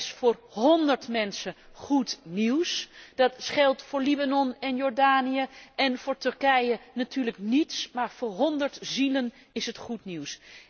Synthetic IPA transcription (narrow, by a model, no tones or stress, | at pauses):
sfʊːrɦɔndəɹtmɛnsəχutniwsd̥ɑtsχɛlˠtfʊːɹlibanɔnɛnjɔːɹdaːnijəɛnvʊːɹtɵɹkɛjənatʰyːɹləknitsmaːɹvʊːɹɦɔndəɹtzilən | ɪsətχutniws